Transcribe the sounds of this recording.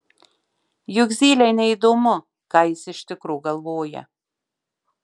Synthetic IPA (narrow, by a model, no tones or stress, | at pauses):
jʊɡzʲiːlʲɛjnʲɛid̪omʊ | kɑjɪsɪʃt̪ʲɪkɾuːɡɐlˠvoːjɛ̰